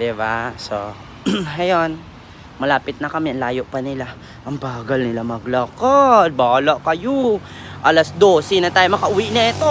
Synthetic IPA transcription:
d̪ɪbaso | ɐjon | mɐlaːpɪt̪̚nɐkɐmɛɐnlaːjo̞ʔpɐnɪla | ʔɐŋbaːɡɐlnɪlamɐɡlɐkad̪̚baːlɐʔkɐjo | ʔalɐsd̪o̞sinɐt̪aːjomɐkɐʔʊwiʔnɐʔɛt̪o

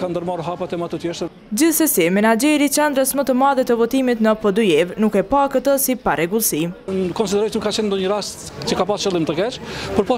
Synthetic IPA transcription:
kand̪əɾmaɾuɦapat̪ɛmat̪ut̪jɛʃt̪ə | d͡ʑiθsɛsimɛnad͡ʑɛɾit͡ɕɛnd̪ɾəsmət̪əmaðɛt̪əvɔt̪imit̪nəpɔd̪ujɛvnukɛpakət̪əsipaɾɛɡulˠsikɔnsid̪ɛɾɔjənukːat͡ʃɛnd̪ɔɲəɾast̪ | t͡ʃəkapast͡ʃəlˠimt̪əkɛt͡ʃpəɾpɔ

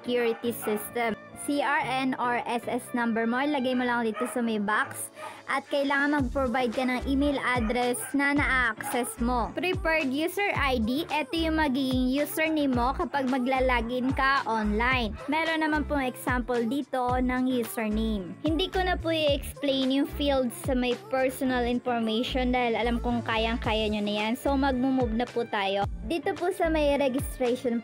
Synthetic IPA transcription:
sɛkjuɹɪt̪isɪst̪ɛm | siʔaɹʔɛnʔaɹʔɛsʔɛsnɐmbɛɹmo̞ɪlɐɡajmolɐŋd̪iːt̪o̞sɐmɐjbaks | ʔɐt̪̚kɐɪlaːŋɐnmɐɡ̚pɾobajd̪̚kɐnɐŋʔimejlʔad̪ɾɛsnɐnɐʔaʔɐksɛsmo̞pɾɪpɛɹd̪juːsɛɹʔajd̪iʔɛt̪ojʊŋmɐɡiɡɪŋjuːsɛɹnejmːokɐpaɡ̚mɐɡ̚laːlaːɡɪnkɐʔonlajnmɛːɾo̞nːɐmanpʊŋɛksampɛld̪iːt̪o̞nɐŋjusɛɹnemhɪnd̪iːkonɐpuʔiʔɛksplejnjʊŋfild̪sːɐmɐjpɛɹsonɐlɪnfoɹmɛjʃond̪aːhɪlɐlamkʊŋkaːjɐŋkaːjɐɲonɐjanso̞mɐɡ̚mumʊb̚nɐput̪aːjo̞d̪iːt̪opusɐmɐjɾɛɡɪst̪ɾɛʃon

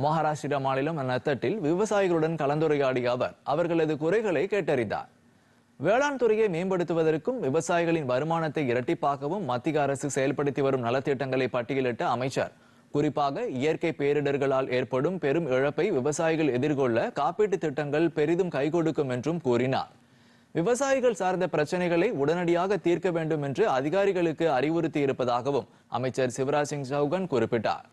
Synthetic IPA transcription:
mɐɦaːɾaːʂɪɾɐmaːnɪlɐmnɐt̪ːɐʈːɪlʋɪʋɐsaːjɪɣɐɭɯɽɐnkɐɭɐnd̪ɯɾɐjaːɽɪjɐʋɐ̰ɾʔɐʋɐɾɣɐɭɐðɯkʊɾɐɪɣɐɭɐɪkeːʈːɐɾɪnd̪a̰ːɾ | ʋeːɭaːnt̪ɯɾɐjɐɪmeːmbɐɽɯt̪ːɯʋɐðɐrkɯmʋɪʋɐsaːjɪɣɐɭɪnʋɐɾɯmaːnɐt̪ːɐɪɪɾɐʈːɪpːaːkɐʋɯmːɐt̪ːɪɣɐːɾɐsɯsɛjɐlpɐɽɯt̪ːiʋɐɾɯmnɐlɐt̪ːɪʈːɐŋɡɐɭɐɪpːɐʈːɪjɪlɪʈːɐɐmɐɪt͡ʃːɐ̰ɾ | kʊɾɪpːaːɣɐɪjɐɾkɐɪpeːɾɪɽɐɾɣɐɭaːlʔeːɾpɐɽɯmpɛɾɯmɛɻɐpːɐɪʋɪʋɐsaːjɪɣɐɭɛðɪɾkɔɭːɐkaːpiːʈːɯt̪ːɪʈːɐŋɡɐɭpɛɾɪðɯmkɐɪkɔɽɯkːɯmɛndrɯmkuːɾɪna̰ːɾ | ʋɪʋɐsaːjɪɣɐɭsaːɾnd̪ɐpɪɾɐt͡ʃːɐnɐɪɣɐɭɐɪʊɽɐnɐɽɪjaːɣɐt̪ːiːɾkɐʋeːɳɖɯmɛndrɯɐðɪɣaːɾɪɣɐɭɯkːɯɐɾɪʋɔɾɯt̪ːijɪɾɯpːɐðaːɣɐʋɯm | ʔɐ̰mɐɪt͡ʃːɐɾsɪʋɐɾaːsɪŋsɐʊɣɐnkʊrɪpːɪʈːa̰ːɾ

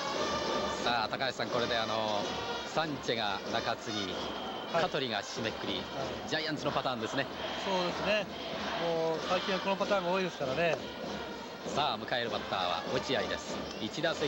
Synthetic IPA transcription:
saːt̪akaɕeasãŋko̞ɾe̞d̪e̞ano̞sãɲ̟t͡ɕeɡanakat͡sɨɲi | k̪ʰat̪o̞ɾʲiɡaɕimekːɯ̟ɾʲi | d͡ʑaiãnt͡sɨno̞pat̪ãːnd̪esɨne̞so̞ːd̪e̞sɨne | moːsaikʲĩakonopat̪ãːŋɡaoːid̪e̞sɨ̥kaɾane̞ | saːmɯ̟kae̞ɾɯ̟bat̪ːa̰ːβa̰ot͡ɕiaid̪e̞sɨ̥ | it͡ɕid̪ase

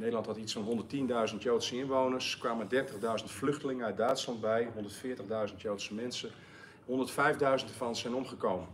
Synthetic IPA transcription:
nejdəlˠɑnthɑtitsfɑnɦɔndərtindœɥzəntjowtsəɪnʋownəɹskʋaːmədɛrtəɣdœɥzəntflɵχtəlɪŋəœɥt̚dœɥtslɑnd̚bɛjɦɔndəɹtfɪːɹtəɣdœɥzəntjowtsəmɛnsə | ɦɔndəɹtfɛjvdœɥzəntdəɹvɑnsɛjnɔmχəkowmən

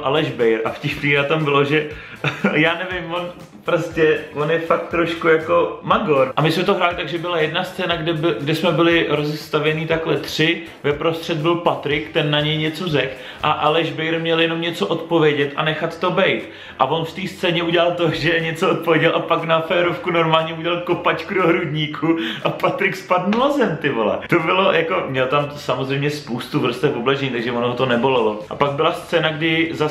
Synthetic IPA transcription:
ʔalɛʒbɛjɾʔafcɪʃpniːɦat̪ambɪlo̞ʒɛ | jaːnɛvɪmvon | pɾoscɛvonjɛfak̚t̪ːɾoʃkujako̞maɡoɾʔamɪsmɛt̪oɦɾaːlɪt̪aɡʒɛbɪlajɛdnast͡sɛːnaɡdɛbɪɡdɛsmɛbɪlɪɾo̞zɛst̪avjɛniːt̪aklɛt̪r̝̥ɪ | vɛpɾo̞st̪r̝̥ɛd̪̚bɪlpat̪ɾɪkt̪ɛnːaɲɛjɲɛt͡sozɛk | ʔaʔalɛʒbɛjɾmɲɛljɛnomɲɛt͡so̞ʔo̞t̪po̞vjɛɟɛt̪ʔa̰nɛxat̪ːo̞bɛjt̪ | ʔavo̞nft̪iːst͡sɛːɲɛuɟɛlalt̪o̞ʒɛɲɛt͡soot̪̚povjɛɟɛlʔapaknafɛːɾofkuno̞ɾmaːlɲɛuɟɛlalkopat͡ʃkudoɦɾudɲikʰuʔapat̪ɾɪkspadnulazɛmt̪ɪvolɛ̰t̪obɪlojʔako̞mɲɛlt̪amsamozr̝ejmɲɛspowst̪uvr̩st̪ɛfoblɛʒɛɲiːt̪aɡʒɛvonoɦot̪o̞nɛbo̞lɛlo̞ʔapaɡ̚bɪlast͡sɛːnaɡdɪza

